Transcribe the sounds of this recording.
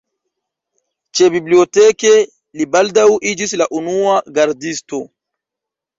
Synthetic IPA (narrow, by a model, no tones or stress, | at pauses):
t͡ʃebibliotɛke | libaldawʔid͡ʒislaʔunuaɡaɾdisto